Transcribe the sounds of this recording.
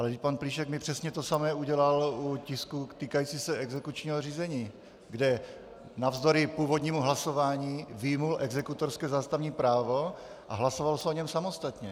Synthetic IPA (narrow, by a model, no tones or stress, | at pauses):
ʔalɛd̪ɪc̚ʲpanpliːʃɛɡmɪpr̝̥ɛsɲɛt̪osamɛːuɟɛlalucɪskut̪iːkajit͡sisɛɛɡzɛkut͡ʃɲiːɦor̝iːzɛɲiː | ɡdɛ | navzd̪oɾɪpuːvod̪ɲiːmuɦlaso̞vaːɲiːvɪjmulʔɛɡzɛkut̪oɾskɛːzaːst̪avɲiːpɾaːvo̞ | ʔaɦlasovalsɛo̞ɲɛmsamo̞st̪at̪ɲɛ